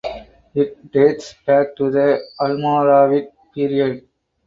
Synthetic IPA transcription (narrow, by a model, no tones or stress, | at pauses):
ɪʈ̚ɖeːʈsb̥æːk̚ʈud̪əɐlmaːɾaːʋɪʈ̚piːɾiəɖ